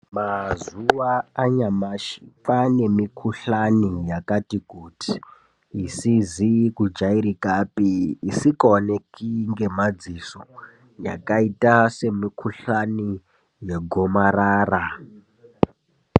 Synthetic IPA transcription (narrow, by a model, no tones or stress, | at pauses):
mazuwaaɲamaʃi̥fane̞mikʰuɬanijakatikutʰi̥ː | sizikud͡ʒaiɾikapiːsikoonekiŋɡe̞mad͡ziso | ja̰kaitase̞mikʰuɬani | je̞ɡʱomaraːra